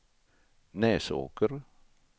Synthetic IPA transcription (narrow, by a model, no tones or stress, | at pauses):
nɛːso̰ːkəɾ